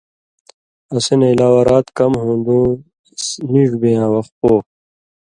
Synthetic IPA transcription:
ɐseneilaːwɐɾaːt̪kʌmɦũːnd̪ũː | niʐbejãːwɐxt̪̚poː

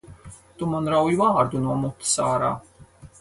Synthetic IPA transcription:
t̪umanɾawjvaːɾd̪unuɔmut̪ːɨ̥saːɾa̰ː

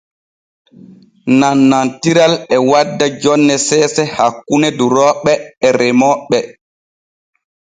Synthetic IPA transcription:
nanːantiɾalɛwadːad͡ʒɔnːɛsɛːsɛhakːunɛduɾɔːɓɛːɾɛmɔɓɛ

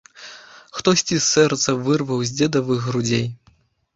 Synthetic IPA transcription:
xt̪ɔsʲt͡sʲisːɛrt̪sɐvɨrvɐwzʲd͡zʲɛd̪ɐvɨɣːɾud͡zʲej

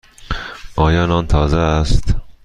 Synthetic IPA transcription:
ʔɒːjɒːnɒːnt̪ʰɒːzeːst̪

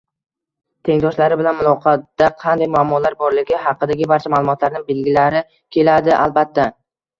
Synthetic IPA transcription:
t̪ʰe̞ŋd̪ɒʃlaɾɪbɪlanmʊlˠɒqʰɑt̪ːaqʰɑnd̪ajmʊamːɒlaɾbɒɾlɪɡʲɪhɑqɨd̪aɡʲɪbaɾt͡ʃʰamaːlˠʊmɒt̪laɾnɪbe̞lɡʲɪlaɾɪ | kʲʰe̞lad̪ɪʔa̰lˠbat̪ʰːa

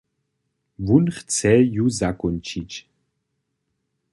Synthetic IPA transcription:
vunχt͡sʰɛjuzakʼɔnt͡ʃʰit͡ʃ

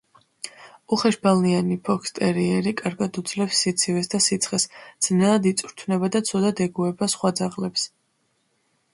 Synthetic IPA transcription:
uχɛʃbalˠnianipʰɔkʰst̪ʼɛɾiɛɾikʼaɾɡad̪ud̪zlɛpsːit̪sʰivɛsd̪asit̪sʰχɛsd̪z̥nɛlˠad̪it̪sʼɾt̪ʰvnɛbad̪at̪sʰɔd̪ad̪ɛɡuɛbasχwad̪zaʁlɛps

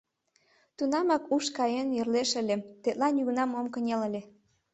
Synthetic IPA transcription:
t̪unɑmɑkuʃkɑjenjørleʃə̆lʲet̪et̪̚lɑnjyɣnɑmomkə̆nʲelə̆lʲe

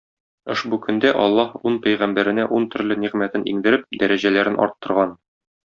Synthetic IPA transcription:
ŏʃbukɵ̆nd̪æʔɒlˠːɑhunpæjʁæmbæɾɘ̆næʔunt̪ɵ̆ɾlɘniʁmæt̪ɘnḭŋd̪ɘ̆ɾɘp̚d̪æɾæʑælæɾɘnʔɒ̰ɾt̪ːɤ̆ɾʁɑn

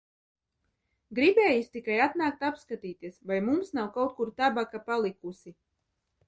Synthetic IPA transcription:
ɡɾibʲɛːjist̪ikajat̪naːk̚t̪apskat̪iːt̪iɛsvajmumsnawkawt̪̚kuɾt̪abakapalˠikusi

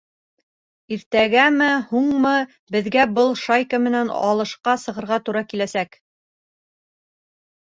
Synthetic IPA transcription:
iɾt̪æɡæmɘhuɴmɤ | bɘ̆ðɡæbɤlˠʃajkəmɘ̆nænɑ̰lˠɤ̆ʃqɑsɤ̆ʁɤ̆ɾʁɑt̪uɾɑkilæsæk

